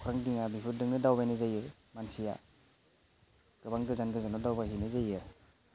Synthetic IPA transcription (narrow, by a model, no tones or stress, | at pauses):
kʰɾaŋdiŋabipʰuɾdɯŋnɯdawbajnɯzajɯɾ | mansija̰ | ɡ̥ɯbaŋɡɯzanɡɯzanɔdawbaɦinɯzajɯɾ